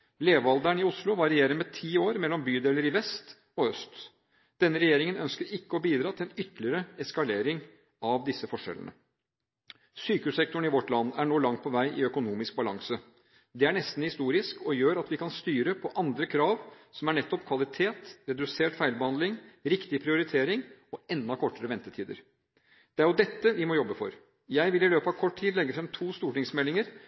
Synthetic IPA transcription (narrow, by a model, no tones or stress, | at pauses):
leːʋɑld̪æɳɪʊslʊʋɑɾɪjeːɾəmɛt̪ʰiːoːɾmɛlːɔmbyːd̪eːləɾɪʋɛst̪ | ɔœst̪ | d̪̥ɛnːəɾɛjeːɾɪŋənœnskəɾɪkːəɔbiːd̪ɾɑːt̪ʰɪlɛnʏt̪ːlɪəɾəɛskɑleːɾɪŋ | ɑʋd̪ɪsːəfɔʂɛ̰lə̰nə̰ | syːkʉssɛk̚t̪ɔɳ̩ɪʋɔʈlɑnːæɳoːlɑŋt̪̚pʰɔʋæɪʔɪœkʊnuːmɪsk̚bɑlɑŋsə | d̪ɛæɳɛst̪n̩hɪst̪uːɾɪskɔjøːɾɑt̪ʋɪkʰɑnst̪yːɾəpʰɔʔɑnd̪ɾəkʰɾɑːʋsɔmæɳɛt̪ːɔpkʰʋɑlɪt̪ʰeːt̪ɾɛd̪ʉseːʈfæɪlbəhɑnd̪lɪŋɾɪkt̪ɪpʰɾɪʊɾɪt̪ʰeːɾɪŋɔɛnd̪ɑkʰɔʈːəɾəʋɛnt̪ət̪ʰiːd̪ə̰ɾ | d̪̥ɛæɾjʊd̪ɛt̪ːəʋɪmɔjɔbːəfɔ̰ɾ | jæɪʋɪlɪløːpɑʋkʰɔʈt̪ʰiːd̪lɛɡːəfɾɛmt̪ʰuːst̪uːʈɪŋsmɛlːɪŋəɾ